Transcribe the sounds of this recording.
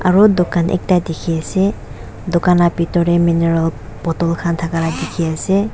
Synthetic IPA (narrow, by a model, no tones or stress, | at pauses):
a̰ɹudokanʔɛ̰k̚tajdɛkʰiasɛ | dokanapitɔɹɛminɛɹal | pɔtɔlkʰantʰakaladikʰiasɛ